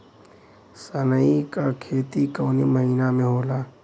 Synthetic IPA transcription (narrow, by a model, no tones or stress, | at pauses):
sənəikakʰeːt̪ikəːneməɦiːnamẽɦoːlaː